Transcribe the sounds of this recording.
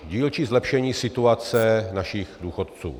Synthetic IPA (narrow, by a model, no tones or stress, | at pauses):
ɟiːlt͡ʃizlɛpʃɛɲiːsɪt̪uat͡sɛnaʃixduːxot̪̚t͡sṵː